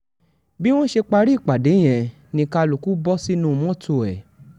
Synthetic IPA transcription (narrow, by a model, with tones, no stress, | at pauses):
bi˦w̃ɔ̃˦ʃe˧k͡pa˧ɾi˦˨k͡pa˨de˨˦j̃ɛ̃˨ | nĩ˧ka˧lu˨ku˦bɔ˦si˦nũ˦˧mɔ̃˦to˧˨ɛ˨